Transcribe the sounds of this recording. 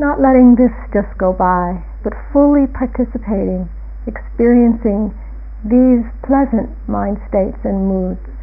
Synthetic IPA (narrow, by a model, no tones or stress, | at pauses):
nəʔˡlɛɾɪ̃ŋðɪsd̥ʒ̥ʌstɡ̥oʊbaɪ | b̥ʌtfʊlˠipʰɑɹtʰɪsɨpʰeɪɾɪ̃ŋ | ɨkspɪɹiɨ̃nsɪ̃ŋ | ðiz̥pʰl̥ɛzɨ̃nʔmãɪ̃nd̥steɪtsɨ̃nmudz̥